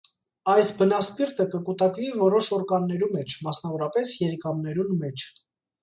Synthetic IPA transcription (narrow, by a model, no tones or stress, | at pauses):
ɑjsbənɑspiɾt̪əkəkut̪ɑkvivɔɾɔʃɔɾkɑnːɛɾumɛt͡ʃʰmɑsn̪ɑvɔɾɑpɛsjɛɾɛkɑmnɛɾunmɛt͡ʃʰ